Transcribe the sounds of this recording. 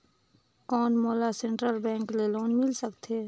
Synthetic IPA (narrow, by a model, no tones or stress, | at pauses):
kɔːnmoːlasẽɳʈɾəlbɛ̃ːŋkleːloːnmɪlsəkt̪eː